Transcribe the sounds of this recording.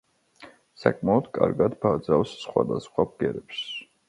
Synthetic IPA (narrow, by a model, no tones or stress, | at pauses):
sakʼmaɔd̪̥kʼa̰ɾɡad̪bad̪zafsːχwa̰d̪asχwap̚ʰɡɛɾɛps